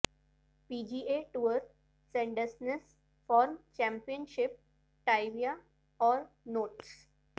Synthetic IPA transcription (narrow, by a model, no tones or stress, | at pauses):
piːd͡ʒiːeʈuʋəɾ | sẽɳɖəsnes | fɔːɾmt͡ʃɛ̃mpiə̃nʃɪp̚ | ʈaɪʋia | ɔːɾ | noːʈs